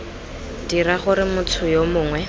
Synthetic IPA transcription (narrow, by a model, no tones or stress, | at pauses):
diɾaχʊɾɪmʊt͡sʰʊjomʊːŋwɛ